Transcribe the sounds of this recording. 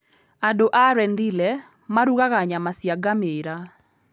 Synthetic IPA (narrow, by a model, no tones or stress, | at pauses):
adoʔaɾɛndilɛ | maɾuɣaɣaɲamasjaɡameɾa